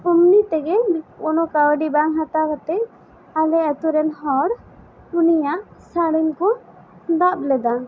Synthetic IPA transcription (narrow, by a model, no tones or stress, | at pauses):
umnit̪ɛɡɛɔnɔkawɖibaŋɦat̪akɔt̪ɛʔ | alɛat̪uɾɛnɦɔɾ | unijaʔsaɽinkɔ | d̪ap̚lɛd̪a